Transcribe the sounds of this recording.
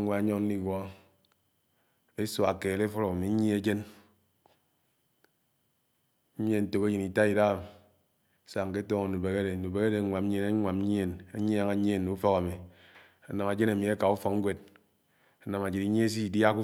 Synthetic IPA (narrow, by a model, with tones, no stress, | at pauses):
ŋʷa˨a˨˦ɲɔ˦n̩˦di˦ɡʷɔ˦ | e˦so˨a˨keː˨le˦fɔ˦ɾɔ˨a˨mi˨˦ɲi˦e˦d͡ʒe˦n˦ | ɲ˦e˦˨n̩˦to˨ke˦d͡ʒe˨ni˨ta˦i˨da˦˨ | sa˨ŋke˦tɔ˦ŋa˨nu˨be˨ɣe˦de˨nu˨be˨ɣe˦de˨˦ŋʷa˨m˦ɲ˦e˦ne˦ŋʷa˨m̩˦e˦na˦ɲ˦a˦ŋa˦ɲ˦e˦˨n̩˨u˨˦fɔ˦ka˨mi˨ | a˨na˨ŋa˨d͡ʒe˦na˨mi˨a˦ka˨u˦fɔ˨kŋ̩˦ɡʷe˨t̚ | a˨na˨ma˨d͡ʒi˨ti˦ɲe˦e˦s̬i˦˨dja˦ku˦